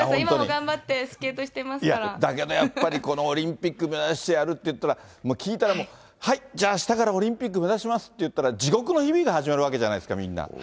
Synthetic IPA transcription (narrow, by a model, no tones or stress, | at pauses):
hõimat̪omoɲiɡãmbat̪ːe̞sɨ̥ke̞ːt̪o̞ɕi̥t̪e̞masiaɾad̪ak̬e̞d̪o̞japːaɾʲiko̞no̞ːɾʲĩmpʲikːɯme̞zaɕi̥t̪e̞jaɾɯ̟t̪ːe̞jɯ̟t̪ːaɾamoːkʲiːt̪aɾamo̞ | haid͡ʑaːɕi̥t̪akaɾao̞ɾʲĩmpʲik̬ːɯ̟me̞zaɕimasɨ̥t̪ːejɯ̟t̪ːaɾad͡ʑiɡo̞kɯ̟no̞çibʲiɡahaʑimaɾɯβake̞ʑanaid̪sɨ̥ka̰mʲḭ̃nːa̰